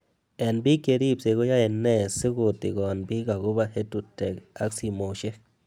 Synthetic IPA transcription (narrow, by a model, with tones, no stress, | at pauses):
e˨nbi˦ke˧ɾi˦˨bse˧ɡo˦ja˦e˧nːe˧˨sɨ˦ɡu˧t̪i˨ɡo˨a˨nbi˦ɡa˨ɡu˦ba˧he˦t̪u˧t̪e˨ka̰˦ksi˧mo˨ʃe˦k